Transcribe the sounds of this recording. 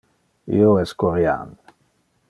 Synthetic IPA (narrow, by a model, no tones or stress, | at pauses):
ḭoɛskoɾja̰n